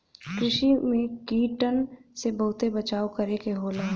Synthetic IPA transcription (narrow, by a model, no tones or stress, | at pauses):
kɾɪʃimẽkiːʈənsebɐɦʊt̪ebɐt͡ʃaːokɐɾekeɦoːlaː